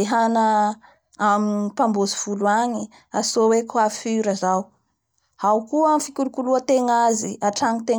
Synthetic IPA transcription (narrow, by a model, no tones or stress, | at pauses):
eɦanə | aminipambozi̥fuluaɲi | asowekwafiɾazaw | hawkuamfikʲulukuluət̪eŋaziaʈ͡ʂaŋit̪e